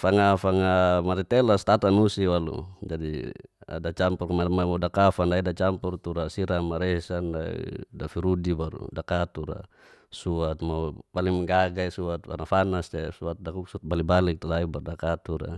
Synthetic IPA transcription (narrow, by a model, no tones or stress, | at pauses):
faŋafaŋamaɾit̪ɛlast̪at̪anusiwalṵd͡ʒadḭa̰dat͡ʃampurkmamamadakafandaidat͡ʃampurt̪uɾasiɾamaɾɛsandaḭdafiɾudibaɾṵdakat̪uɾa̰ | suat̪̚mapalimɡaɡaisuat̪̚fa̰nafanast̪ɛsuat̪̚dakuk̚suat̪̚balibalik̚t̪ulaibaɾudakat̪uɾa̰